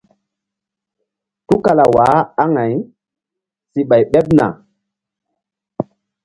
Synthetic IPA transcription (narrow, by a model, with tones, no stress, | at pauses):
tu˦ka˨la˨wa˨˦a˦ŋa˨j | si˨ɓa˨jɓe˦p̚na̰˨